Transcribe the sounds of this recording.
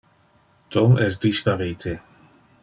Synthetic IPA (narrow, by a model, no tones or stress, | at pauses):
t̪ɔmʔɛs̬d̪ispaɾiːt̪ʰe